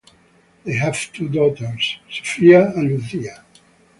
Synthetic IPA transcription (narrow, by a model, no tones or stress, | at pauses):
ðeɪɦæv̥tʰudɔt̪əɹsso̥fiaæ̃nluθia